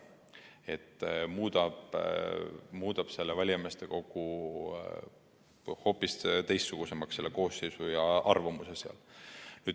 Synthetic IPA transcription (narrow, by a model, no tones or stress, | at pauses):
e̞t̪ːˑmuːd̪ɑb̥ | muːd̪̥ɑb̥se̞lːevælʲjɑmest̪e̞ko̞ɡ̥u | ho̞ːpːˑist̪ejst̪ːsuɡ̥use̞mɑksːe̞lːeko̞ːsːejsujɑɑrvɑmuseseɑ̰lnyːd̪